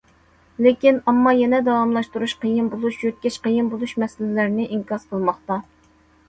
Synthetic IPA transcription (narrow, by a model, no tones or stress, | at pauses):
lekʲinɑmːɑjɛnɛd̪ɑwɑmlˠɑʃt̪uɾuʃqəjinbolˠuʃjøt̪̚kʲɛt͡ʃqəjinbolˠuʃmɛsɪlɪlæɾnɪʔiŋkɑsqʰəlˠmɑχt̪ɑ